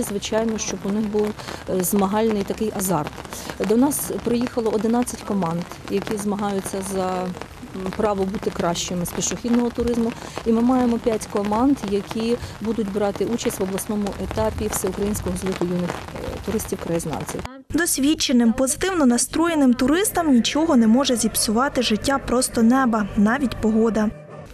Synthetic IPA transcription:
zʋɪt͡ʃɑjnɔʃt͡ʃɔbʊnɪxbuwzmɐɦɑlʲnɪjt̪ɐkɪjʔɐzɑrt̪d̪ɔnɑspɾɪjixɐlˠɔɔd̪ɪnɑt͡sʲːɐtʲkɔmɑnd̪jɐkʲizmɐɦɑjʊt͡sʲːɐzɐ | pɾɑʋɔbut̪ɪkɾɑʃt͡ʃɪmɪspʲiʃɔxʲid̪nɔɦɔt̪ʊɾɪzmʊimɪmɑjemɔpʲjatʲkɔmɑnd̪jɐkʲʰibud̪ʊtʲbɾɑt̪ɪʔut͡ʃɐsʲtʲʋɐblˠɐsnɔmʊʔet̪ɑpʲiwsʲɛʊkɾɐjinʲsʲkɔɦɔzlʲˠɪk̪ʊjunɪxt̪ʊɾɪsʲtʲiwkɾɐjiznɑ̰nʲsʲḭw | d̪ɔsʲʋʲit͡ʃːenɪmpɔzɪt̪ɪwnɔnɐst̪ɾɔjenɪmt̪ʊɾɪst̪ɐmnʲit͡ʃɔɦɔnɛmɔʒɛzʲipsʲʊʋɑt̪ɪʐɪtʲːapɾɔst̪ɔnɛbɐnɑʋʲitʲpɔɦɔd̪ɐ

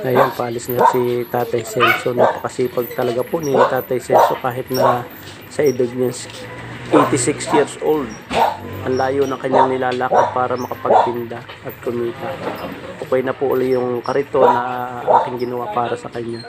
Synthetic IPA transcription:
ʔɐjanpalɪsɲasit̪aːt̪ɐjsɛnsonɐpɐ̥kɐsiːpɐɡ̚t̪ɐlɐɡapʊnint̪aːt̪ɐjsɛnsokaːɦɪt̪̚nɐ | sɐʔɪd̪ɪɡ̚ɲansʔejt̪ɪsɪksjiɾsʔold̪̚ʔɐŋlaːjonɐŋkɐɲːaŋnɪlaːlaːkɐd̪̚paːɾɐmɐkɐpɐɡ̚t̪ɪnd̪a | ʔɐt̪̚kʊmiːt̪ɐʔʔokɐjnɐpʊʔʊ̰lɛjʊŋkɐɾɪt̪o̞nɐʔʔa̰ːkɪŋɡɪnɐwapaːɾɐsɐkɐɲːa

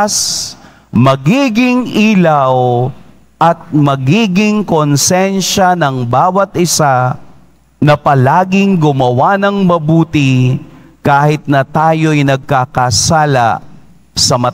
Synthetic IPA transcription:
s | mɐɡiːɡɪŋʔiːlɐw | ʔɐt̪̚mɐɡiːɡɪŋkonsɛnʃɐnɐŋbaːwɐt̪̚ʔɪsa | nɐpɐlaːɡɪŋɡʊmɐwanɐŋmɐbuːt̪ɪ | kaːhɪt̪̚nɐt̪aːjo̞jnɐɡ̚kakɐsaːlɐ̰ | sɐmɐ

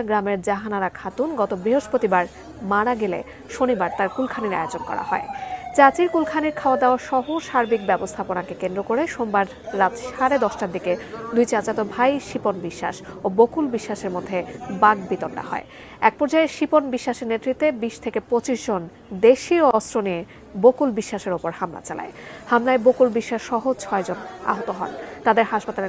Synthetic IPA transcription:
ɡɾameɾd͡ʑaɦanaɾakʰat̪unɡɔt̪obɾiɦoʃpot̪ibaɾ | maɽ̃aɡelḛ | ʃonibaɾt̪aɾkulkʰaniɾa̰eod͡ʑonkɔ̰ɾa̰ɦɔ̰et͡ɕat͡ɕiɾkulkʰaniɾkʰaoad̪aoaʃɔɦoʃaɾbik̚bɛbost̪ʰaponakekend̪ɾokoɾeʃombaɾː | at̪ʃaɾed̪ɔʃʈaɾd̪iked̪ujt͡ɕat͡ɕat̪obʱajʃiponbiʃːa̰ʃobokulbiʃːaʃeɾmod̪ʱːebaɡbit̪ɔɳɖa̰hɔ̰e | ɛk̚pɔɾd͡ʑaeʃiponbiʃːaʃeɾnet̪ːɾit̪ːebiʃt̪ʰekepɾot͡ɕiʃd͡ʑon | d̪eʃioɔsɾonie | bokulbiʃːaʃeɾopoɾhamla̰t͡ɕala̰ehamlaebokulbiʃːaʃːɔɦot͡ɕʰɔed͡ʑona̰ɦot̪oɦɔ̰nt̪ad̪eɾɦaʃpat̪ale

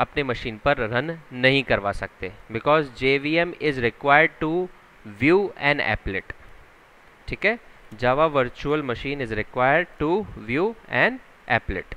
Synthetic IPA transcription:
ɐpnemɐʃĩːnpɐɾɾɐnːɐɦĩkɐɾʋasɐk̚t̪eːbɪkɔːzd͡ʒeːʋiːɛmɪzɾɪkʋaːɪəɾɖ̚ʈu | ʋjuːɛ̰̃ːɳɖɛ̰ːplɪʈ | ʈʰiːkɦɛːd͡ʒaːʋaʋəɾt͡ʃuəlmɐʃĩːnɪzɾɪkʋaːɪəɾɖ̚ʈuʋjuːɛ̃ːɳɖ | ɛ̰ːplɪ̰ʈ

